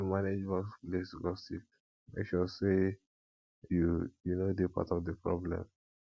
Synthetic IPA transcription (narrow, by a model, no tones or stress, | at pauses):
maned͡ʒwɔslesɡɔstiv | ma̰kʃɔse | jujunodepa̰tɔfdəpɹɔ̰blɛ̰̃m